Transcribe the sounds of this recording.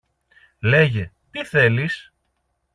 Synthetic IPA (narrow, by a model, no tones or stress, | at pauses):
le̞ʝe | t̪iθe̞lis